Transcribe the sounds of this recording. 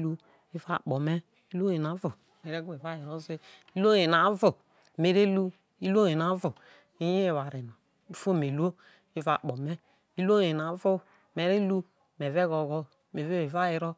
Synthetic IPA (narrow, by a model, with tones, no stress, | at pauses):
lu˦ | i˦va̰˦˨k͡po˨me˦ | i˦lo˦e˨na˨˦vo˨me˨ɾe˦ɡu˦e˨va˦ji˨ɾo˦ze˦ | i˦lo˦e˨na˨˦vo˨ | me˨ɾe˦lu˦ | i˦lo˦e˨na˨˦vo˨ | i˦i˦e˨βa˨ɾe˨no˨ | i˦fo˦˨me˨lu˦o˦ | i˦va̰˨k͡po˨me˦ | i˦lo˦e˨na˨˦vo˦˨ | me˨ɾe˦lu˦ | me˨ve˦ɣo˨ɡɔ˦ | me˨ve˦e˨va˦ji˨ɾo˦